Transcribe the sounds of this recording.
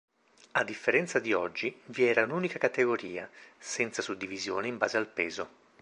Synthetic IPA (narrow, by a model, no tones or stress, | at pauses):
ad̪ːifːeɾɛnt̪sad̪iɔd͡ʒːiviɛːɾaunuːnikakat̪eɡoɾiːa̰sɛnt̪sasud̪ːivizjoːneimbaːzealpɛːzo